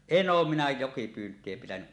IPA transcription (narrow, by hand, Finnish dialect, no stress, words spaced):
en oːm minæ jokipyːntˑie pitænyʔ